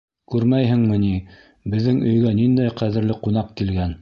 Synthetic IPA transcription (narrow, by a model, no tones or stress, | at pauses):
kʉɾmæjɦɘ̆ŋmɘ̆ni | bɘ̆ðːɘŋɵ̆jɡænind̪æjqæðɘ̆ɾlɘqunɑqkilɡæn